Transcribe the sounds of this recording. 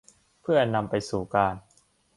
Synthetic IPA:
pʰɯ˥˩ɐ˧na˧mpa˧jsuː˨˩kaː˧n

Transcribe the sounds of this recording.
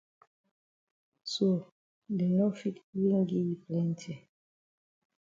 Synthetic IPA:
so˨ | dɛ˨nɔ˦fi˦twi˦ŋ˦ɡi˦ji˨plɛ˦n˦tʰɛ˨

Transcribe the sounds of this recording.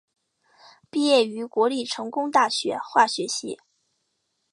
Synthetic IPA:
pi˥˧jɛ˥˩y˧˥kwɔ˧˥li˥˩ʈ͡ʂʰɤ˧˥ŋkʊ˥ŋt̪a˥˩ɕɥɛ˧˥xwa˥˩ɕɥɛ˧˥ɕḭ˧˥

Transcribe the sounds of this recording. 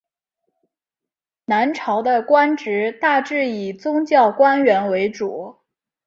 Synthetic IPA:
na˧˥nʈ͡ʂʰɑ˧˥ʊd̪ə˧kwa˥nʈ͡ʂɻ̩˧˥t̪a˥˧ʈ͡ʂɻ̩˥˩i˨˩t͡sʊ˥ŋt͡ɕjɑ˥˩ʊkwa˥nɥɛ˧˥nwe˧˥ɪʈ͡ʂu˨˩˦

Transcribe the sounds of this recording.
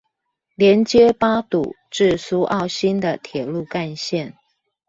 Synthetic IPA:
ljɛ˧˦˥nt͡ɕjɛ˦pa˥t̪u˨˩˦ | ʈ͡ʂɻ̩˥˩su˥ʔɑ˥˩ʊɕi˥nd̪ə˨t̪ʰjɛ˨˩lu˥˧ka˥˧nɕjɛ˥˨n

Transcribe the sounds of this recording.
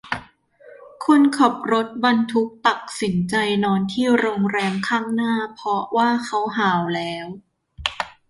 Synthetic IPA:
kʰo˧nkʰɔ˨˩p̚ɾo˦˥t̪̚ba˧nt̪ʰu˦˥k̚t̪a˨˩k̚si˩˦nt͡ɕa˧jnɔː˧nt̪ʰiː˥˩wɾoː˧ŋɾɛː˧mkʰaː˥˩ŋnaː˥˩pʰɔ˦˥waː˥˩kʰa˦˥wɦaː˨˩˦wlɛː˦˥w

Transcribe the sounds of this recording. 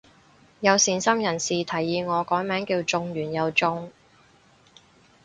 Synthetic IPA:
jɐ˨˧wsiː˨nsɐ˥mjɐ˨˩nsiː˨t̪ʰɐ˨˩jːiː˨˧ŋɔː˨˧kɔː˨˥jmɛː˨˥ŋkiː˧wt͡sʊ˧ŋjyː˨˩njɐ˨˧wt͡sʊ˧ŋ

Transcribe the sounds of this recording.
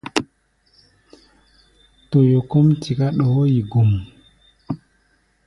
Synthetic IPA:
to˨jo˨ko˦mtʰi˨ka˦ɗɔ˨o˦ji˨ɡu˨m

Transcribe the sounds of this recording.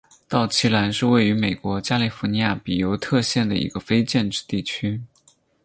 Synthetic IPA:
t̪ɑ˥˩ʊt͡ɕʰi˥la˧˥nʂɻ̩˥˧we˥˩ɪy˧˥me˨˩ɪkwɔ˧˥t͡ɕja˥li˨˩fu˧˥ni˧˥ja˥˩pi˨˩jo˧˥ʊt̪ʰɤ˥˧ɕjɛ˥˩nd̪ə̰˩ḭ˧˥ɡə˧fe˥ɪt͡ɕjɛ˥˧nʈ͡ʂɻ̩˥˧t̪i˥˩t͡ɕʰy˥

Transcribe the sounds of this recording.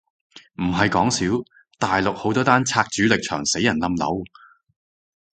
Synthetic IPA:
m̩˨˩ɦɐ˨jkɔː˨˥ŋsiː˨˥w | t̪aː˨jlʊ˨k̚ho˨˥wt̪ɔː˥t̪aː˥nt͡sʰaː˧k̚t͡ʃyː˨˥lɪ˨k̚t͡ʃʰœː˨˩ŋse˨˥jːɐ˨˩nlɐ˧mlɐ̰˨˥w

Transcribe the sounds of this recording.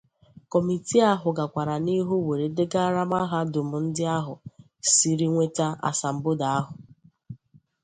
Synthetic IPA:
kɔ˨mi˨ti˦a˦ɦʊ˨ɡa˨kʷa˨ɾa˨ni˦ɦu˦we˨ɾe˨dɪ˦ɡa˦ɾa˦ma˦ɦa˦dʊ˨mʊ˨n̩˦dɪ˦a˦ɦʊ˨ | si˨ɾi˦ŋʷe˦ta˦a̰˨sa˨m̩˨˦bʊ˦da˨a˦ɦʊ˨

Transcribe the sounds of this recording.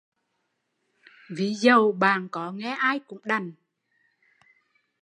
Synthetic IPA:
vi˨˦zə˨˩wɓaː˨˩nkɔ˨˦ŋɛ˧˦ʔaː˧jkʊ̰˧˥ŋ͡mɗa˨˩jŋ

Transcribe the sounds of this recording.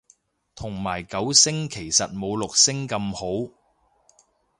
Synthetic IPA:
t̪ʰʊ˨˩ŋmaː˨˩jkɐ˨˥wsɪ˥ŋkʰe˨˩jsɐ˨t̚mo˨˧wlʊ˨k̚sɪ˥ŋkɐ˧mho˨˥w

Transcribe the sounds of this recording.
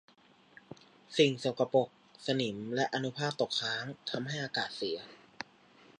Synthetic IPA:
si˨˩ŋso˨˩ka˧po˨˩k̚sa˧ni˩˦mlɛ˦˥ʔa˧nu˦˥pʰaː˥˩p̚t̪o˨˩k̚ʰaː˦˥ŋt̪ʰa˧mɦa˥˩jʔaː˧kaː˨˩t̪̚si˩˦ɐ

